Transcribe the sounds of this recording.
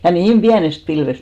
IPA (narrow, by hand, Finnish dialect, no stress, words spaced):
jɑ niːm b̥iænest pilʋest